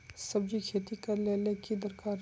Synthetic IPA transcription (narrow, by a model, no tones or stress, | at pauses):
sɐb̚d͡ʒikʰeːt̪ikɐɾleːlekid̪ɐɾkaːɾ